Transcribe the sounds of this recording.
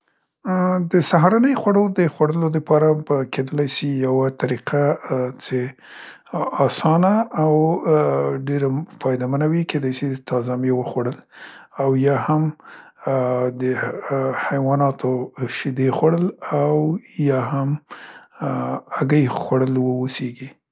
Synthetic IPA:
d̪əsaɦɾanəjxwaɽod̪əxwaɽəlod̪əpɑɾabkʰed̪əlajsijawat̪aɾiqʰat͡se | ɑsɑnaːw | ɖeɾafɑjd̪amanawikʰed̪ɑjsit̪ʰɑzamjewəxwaɽəlawjɑham | d̪əhajwɑnɑt̪ʰoʃɪd̪exwaɽəlawjɑɦam | aɡəjxwaɽəlwəwoseɡi

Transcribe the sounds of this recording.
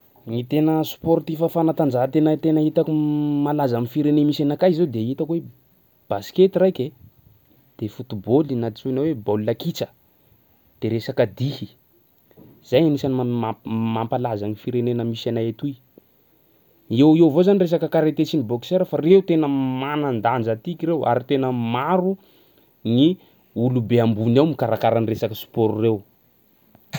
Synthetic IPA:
ŋit̪enəsport̪ifəfanat̪and͡ʒaɦt̪enət̪enəit̪akumalazamifiɾenemisanakajzed̪eit̪əkwe | b̥asket̪irajkʲe | d̪̥efut̪ubolinat̪it͡suinowebollakit͡sə̥ | d̪̥eɾesakəd̪ihi | z̥ajanisanamampalazanifiɾenenəmisanajat̪uj | ewewvozanires̬akəkaɾet̪et͡siniboki̥seɾəfarewt̪enəmanand̪and͡ʒət̪ikiɾewa̰ɾit̪enəmaɾu | ni | ulubeambunawmikaɾakaɾaniresakəsu̥poɾurew

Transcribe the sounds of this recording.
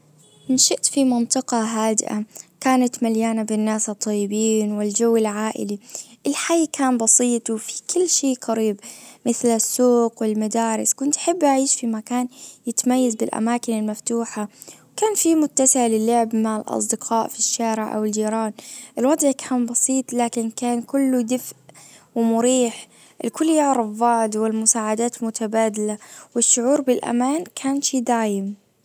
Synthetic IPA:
mɪnʃɪʔt̪fimɑnt̪ˤɨqɑɦaːd̪ɪ̰ʔa̰kaːnat̪maljaːnabɪnːaːsɨt̪ˤːɑjːɪbiːnwɪld͡ʒawːɪlʕaːʔɪ̰liʔɪlħajːkaːnbɑsˤiːt̪ˤfikʰɪlːʃeːqɑɾiːbmɪθlɪsːuːqwɪlmad̪aːɾˤɪskʊnt̪ʔḁħɪbːʔaʕiːʃfimakaːnjɪt̪amajːazbɪlʔa̰maːkɪnɪlmaft̪uːħawkaːnfimʊt̪ːasɪʕalɪlːʊʕɪbmaʕɪlʔɑ̰sˤd̪ɪqʰɑːʔfiʃːaːɾɪʕʔa̰wɪld͡ʒiːɾˤɑːnʔɪlwɑd̪ˤʕkʰaːnbɑsiːt̪ˤlaːkɪnkaːnkʊlːʊd̪ɪfʔ | wɪmʊɾiːħ | ʔɪlkʊlːjʊʕɾˤɪfːɑʕd̪wɪlmʊsaːʕad̪aːt̪mʊt̪ʰabaːd̪alawɪʃːʊʕuːɾbɪlʔa̰maːnkʰaːnʃiːd̪aːjɪm

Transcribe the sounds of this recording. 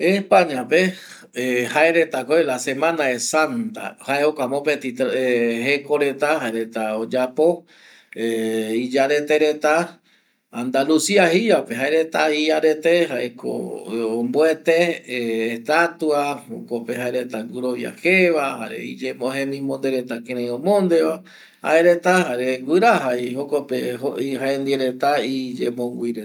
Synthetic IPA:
espaɲãpe | haeɾet̪akoelasemãnaesant̪a̰haeokʷamõpet̪it̪eɦekoɾe̞t̪ahaeɾet̪aod͡ʒapo | eid͡ʒaɾe̞t̪eɾet̪a | and̪alusiahiapeɦaeɾet̪aiaɾet̪eɦaeko̰omboet̪eː | hst̪at̪uaho̰kopeɦaeɾet̪aɡuɾoβja̰xeʋaha̰ɾḛid͡ʒemõɦẽmĩmõnd̪eɾet̪akẽɾ̃ẽj̃õmõnd̪e̞βa | ha̰eɾet̪ahaɾeɡɨɾaɦaihokopeoihaend̪ieɾet̪aid͡ʒemõɡʷiɾe

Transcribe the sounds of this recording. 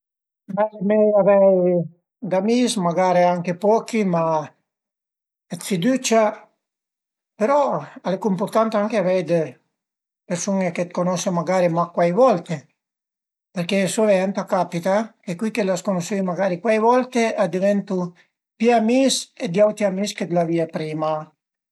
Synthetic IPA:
majmɛjavɛj | d̪amismaɡaɾiaŋkepɔkima | et̪fid̪ut͡ʃa | peɾɔalekuimpuɾt̪ant̪aŋkeavɛjd̪e | peɾsuŋeket̪̚konɔsemaɡaɾimakwajvɔlt̪e | peɾkesoveɛnt̪akapit̪aekwikelaskonosʃejmaɡaɾikwajvɔlt̪ead̪ivɛnt̪u | pjiamised̪jawt̪iamisked̪laviapɾiːma

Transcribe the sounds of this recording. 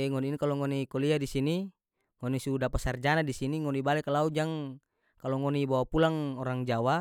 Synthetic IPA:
eŋɔniinkaloŋɔnikoliadisini | ŋonisudapasard͡ʒanadisiniŋɔnibalɛkalaud͡ʒaŋ | kaloŋɔnibawapulaŋɔɾaŋd͡ʒawa

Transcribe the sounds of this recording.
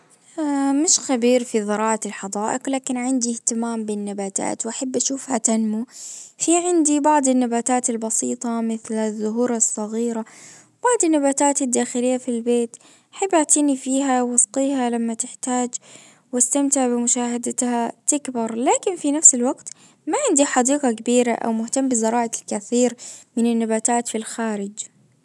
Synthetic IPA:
amɪʃxabiːɾfiðɑɾˤɑːʕɑɪlħɑd̪ˤɑːʔɪqlaːkɪnʕɪnd̪iht̪ɪmaːmbɪnːabaːt̪a̰ːt̪wʔaħabːʔaʃuːfhat̪anmufiʕɪnd̪ibɑʕd̪ˤɪnːabaːt̪aːt̪ɪlbɑsiːt̪ˤɑmɪθlaðːʊɦuːɾˤɑsˤːɑɣiːɾa | b̥ɑʕd̪ˤɪnːabaːt̪aːt̪ɪd̪ːaːxɪlɪjːafilbeːt̪ | ħabːaʕt̪iːnifiːɦawwɑsqiːhalamːat̪ɪħt̪aːd͡ʒ | wast̪amt̪ɪʕbɪmʊʃaːhad̪at̪hat̪ɪkbɑɾˤlaːkɪnfinafsɪlwaɡt̪ | maʕɪnd̪iħɑd̪iːqɑkabiːɾaʔa̰wmʊht̪amːbɪzɑɾˤɑːʕalkaθiːɾmɪnɪnːabaːt̪aːt̪filxaːɾɪd͡ʒ

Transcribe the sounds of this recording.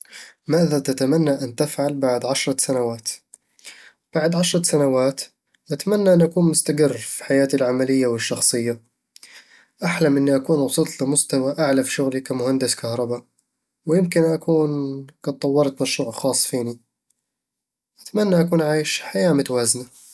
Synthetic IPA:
maːðat̪at̪amanːaʔant̪ɪfʕalbaʕd̪ʕaʃɾˤɑsanawaːt̪ | b̥aʕd̪ʕaʃɾˤɑsanawaːt̪ | ʔat̪amanːaʔɪnːʔakuːnmʊst̪aɡɪrːfi̥ħajaːt̪alʕamalɪjːawɪʃːɑxsˤɨjːa | ʔaħlamʔɪnːiʔakuːnwɑsˤɨlt̪ˤlɪmʊst̪awaʔaʕlafi̥ʃʊɣlikamʊhand̪ɪskahɾˤɑba | wjɪmkɪnʔakuːnɡɑd̪̚t̪ˤːɑwːɑɾˤɑt̪maʃɾuːʕxɑːsˤːfiːni | ʔat̪amanːaʔakuːnʕaːjɪʃħajaːmʊt̪awaːzna

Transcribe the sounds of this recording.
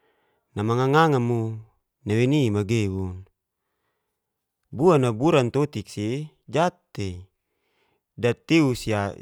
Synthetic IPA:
namaŋaŋaŋamu | nawenimaɡewun | buanabuɾant̪ot̪ik̚si | d͡ʒat̪ːe | dat̪iusia

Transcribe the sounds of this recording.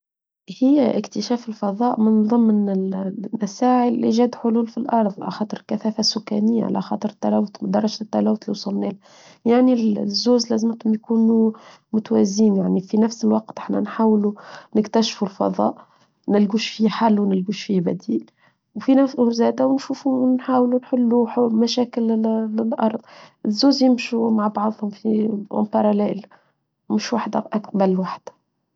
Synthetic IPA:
hɪjːʔɪkt̪ɪʃæːfɪlfɑðˤɑːʔmɪnðˤɨmːnɪmasaːʕəlʔiʒæːd̪ħʊluːlfilʔɑɾˤfˤʕa̰laxɑːt̪ˤɨɾkæθæːfasʊkːæ̰nɪjːa̰ʕa̰lʔæ̰xɑːt̪ˤɨɾt̪ːælæːwʊt̪md̪ɑrˤːɑʒt̪ːælæːwʊt̪liwsˤʊlnɛːl | jaʕnizːoːzlæːzɪmt̪ʊmjkuːnu | mʊt̪wæziːnjaʕnifinæfsɪlwɑqt̪ʔɪħnæ̰nħaːwlunɪkt̪æʃfulfɑ̰ðˤɑ̰ːʔ | nɪlɡuːʃfiħalːwnɪlɡuːʃfibæ̰d̪iːl | wfinæzæːd̪æwnʃuːfunħaːwlunħʊlːuħmæʃæːkɪlɪlʔɑɾˤd̪ˤɪzːoːzjɪmʃumaʕbɑʕd̪ˤhʊmfḭmpɑɾˤɑlɛːl | mʊʃwaħd̪æʔak̚bælwaħd̪̥

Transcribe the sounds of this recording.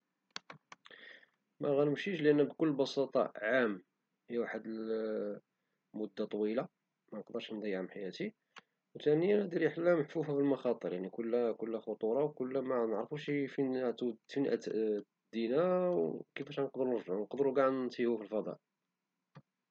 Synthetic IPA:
mæɣænəmʃiʃlʔənːbkʊlːbɑsɑt̪ˤɑ̰ʕam | hijwaħəd̪əl | mʊd̪ːat̪ˤwila | mænqd̪əɾˤʃnd̪æjʕəmħajæt̪i | wt̪ænəjænd̪iɾiħlːæməħfufæfilmɑxɑt̪ˤəɾjaʕnikʊlːkʊlːæxʊt̪ˤuɾˤɑwkʊlːæmnəʕɾfuʃifit̪ufinʔæ̰ | d̪ːinawkəfæʃænqd̪ɾunəɾfʕnqd̪ɾuɡaʕd̪nt̪ihufilfɑd̪ˤɑ̰ʔ

